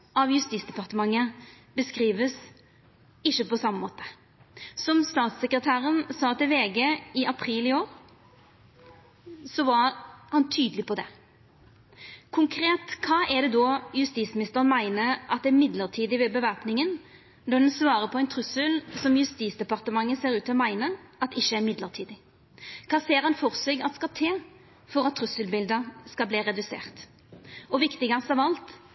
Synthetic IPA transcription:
ʔɑʋjʉst̪iːsd̪ɛpɑʁt̪əmɑŋːə | bəskʁiːʋəs | ɪçːəpɔsɑmːəmoːt̪ə̥ | sɔmst̪ɑːt̪sɛkɾət̪ʰæːɾənsɑːt̪ɪlʋeːɡeɪʔɑpʰɾiːlɪoːɾ | sɔʋɑhɑnt̪ʰyːd̪əlɪpɔd̪ɛ | kʰʊŋkʰɾeːt̪kʰɑːʔɛd̪ɛd̪ɔjʉst̪iːsmɪnɪst̪əʁənmæɪnəɾʔɑt̪̚d̪ɛæmɪd̪ləʁt̪ʰiːd̪ɪʋɛbəʋæʁpnɪŋən | nɔd̪ɛnsʋɑːɾəpʰɔɛɪnt̪ʰɾʉsəlsɔmjʉst̪iːsd̪ɛpɑʁt̪əmɑŋːəseːɾʉːt̪ʰɔmæɪnəʔɑt̪ɪçːəæɾmɪd̪ləʁt̪ʰiːd̪ɪ | kʰɑːseːɾɑnfɔʁsœːɡɑt̪skɑt̪ʰeː | fɔɾɑt̪ʰːɾʉsəlbɪld̪əskɑlbliːɾɛd̪ʉsḛːʁt̪ | ɔʋɪkt̪ɪɡɑsɑʋɑlt̪

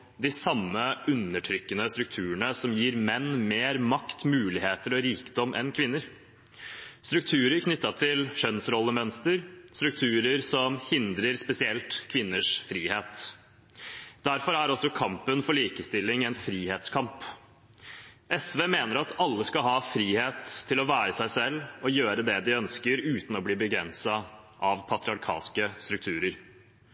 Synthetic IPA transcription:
d̪ɪsɑmːəʔʉnːəʈʰɾʏkːənəst̪ɾʉk̚t̪ʰʉːɳəsɔmjiːɾmɛnːmeːɾmɑkt̪mʉːlɪheːt̪əɾɔɾiːkd̪ɔmʔɛ̰nkʰʋɪnːəɾ | st̪ɾʉkt̪ʰʉːɾəɾkʰnʏt̪ːɑt̪ʰɪlʂœnsɾɔlːəmœnst̪əɾst̪ɾʉkt̪ʰʉːɾəɾsɔmhɪnd̪ɾəɾspɛsɪɛlt̪kʰʋɪnːəʂfɾiːheːt̪ | d̪æɾfɔɾæɾɔsɔkʰɑmpənfɔɭiːkəst̪ɪlːɪŋɛnfɾiːheːt̪skʰɑmp | ɛsʋeːmeːnəɾɑt̪ɑlːəskɑlɦhɑːfɾiːheːt̪ʰːɪlɔʋæːɾəsæɪsɛlːɔjøːɾəd̪ɛd̪ɪœnskəɾʉːt̪n̩ɔbliːbəɡɾɛnsɑ | ʔɑʋpʰɑt̪ɾɪɑɾkʰɑ̰ːskəst̪ɾʉkt̪ʰʉːɾəɾ

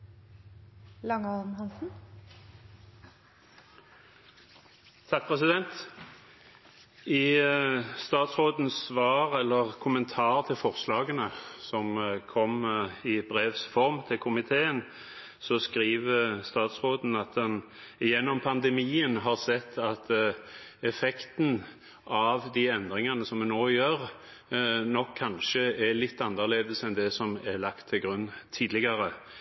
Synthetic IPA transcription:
lɑŋɔn̩hɑnsn̩ | t̪ʰɑk̚pʰʁɛs̬ɪd̪ɛnt̪ | ɪ | st̪ɑːt̪sʁoːd̪n̩sʋɑːʁɛlːəʁkʰʊmənt̪ʰɑːʁt̪ʰɪlfɔʁslɑːɡənəsɔmkʰɔmɪbʁeːʋsfɔʁmt̪ʰɪlkʰʊmɪt̪ʰeːən | sɔskɾiːʋəst̪ɑːt̪sʁoːd̪n̩ɑt̪̚ɛn | ɪjɛnːɔmpʰɑnd̪ɛmiːənɦɑʁsɛt̪ʰːɑt̪ | ɛfɛkt̪n̩ | ɑʋd̪iɛnd̪ʁɪŋɑnəsɔmɛnoːjøːɾ | nɔkʰːɑnʃəɛlɪt̪ːɑnːəʁleːd̪əsɛnd̪ɛsɔmɛlɑkt̪ʰːɪlɡʁʉnːt̪ʰiːd̪lɪɡɑɾə

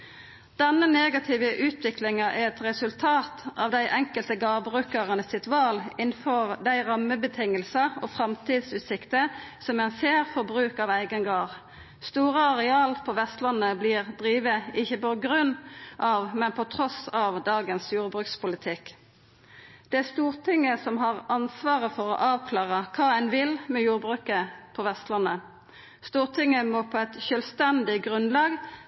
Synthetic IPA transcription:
d̪̥ɛnːəneːɡɑt̪ʰiːʋəʔʉːt̪ʰʋɪklɪŋɑʔæʁɛt̪ʁɛsʉlt̪ʰɑːt̪ʔɑʋd̪æɪʔɛŋkəlt̪əɡɑːʁbʁʉːkəʁənəsɪt̪ʉɑːlɪnfɔʁd̪æɪʁɑmːəbət̪ʰɪŋəlsɑɔfʁɑmt̪ʰiːd̪sʉːt̪sɪkt̪əsɔmɛnseːʁfɔʁbʁʉːkɑːʋæɪɡənɡɑːʁ | st̪uːʁəɑʁɛɑːlpʰɔʋɛst̪lɑnːəbliːʁd̪ʁiːʋəɪçːəbɔɡʁʉnʔɑʋmɛnpʰɔt̪ʰʁɔsɑʋd̪ɑːɡənsjuːʁbʁʉːkspʊlɪt̪ʰɪk | d̪̥ɛæst̪uːʁt̪ʰɪŋːəsɔmɦɑʁɑnsʋɑːʁəfɔʁɔ̰ʔɑːʋkʰlɑːʁəkʰɑːænʋɪlmɛjuːʁbʁʉːkəpʰɔʋɛst̪lɑnə | st̪uːʁt̪ʰɪŋːəmɔpʰɔɛt̪ʃœlst̪ɛnd̪ɪɡʁʉnlɑːɡ

